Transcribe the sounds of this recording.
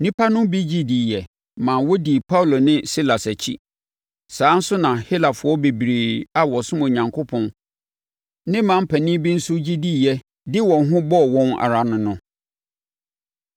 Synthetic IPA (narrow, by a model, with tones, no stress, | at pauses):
nĩ˦pʰa˦nʊ̃˦bi˦d͡ʑi˦di˨jɛ˨ | mã˨wɔ˦di˨pʰa˦u˨lo˨nɪ̃˦si˦la˨sæ˨t͡ɕʰḭ˦ | sãː˨˦n̩˦sʊ˦nã˨hi˦la˨fʊ˨˦ɔ˦be˨bɾeː˨a˨wɔ˨sʊ̃˦mõ˨ɲã˨ŋkʰo˦pʰɔ̃˦n | nɪ̃˦mã˨m̩˦pʰæ˨nĩ˦bĩ˦n̩˦sʊ˦d͡ʑi˦di˦˨jɛ˨ | dɪ˦wɔ̃˨nɦʊ̃˦bɔ˦˨wɔ̃˦na̰˨ɾa˨nʊ̃˨nʊ̃˦